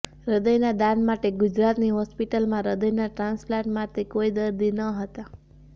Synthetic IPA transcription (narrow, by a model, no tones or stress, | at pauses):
ɾəd̪əjnad̪anmaʈeɡud͡ʒɾat̪niɦɔspiʈəlmãɾəd̪əjnaʈɾãnsflãɳʈmat̪ekoid̪əɾd̪inəɦət̪a